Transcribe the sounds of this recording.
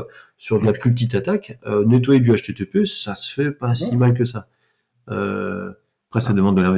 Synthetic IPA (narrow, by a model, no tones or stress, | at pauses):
syʁd̪naplyp̬ət̪it̪at̪akʲønet̪waed̪yaʃt̪et̪øpøsːasə̥fɛpasimalk̬əsa | ø̰ | pχɛsad̪əmɑ̃d̪ːəlaʁme